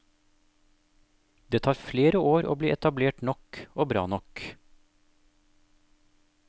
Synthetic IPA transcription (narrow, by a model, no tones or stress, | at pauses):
d̪̥eːt̪ʰɑːɾfleːɾəʔoːɾʔo̰ːbliːʔɛt̪ɑbleːʈnɔkoːbɾɑ̰ːnɔk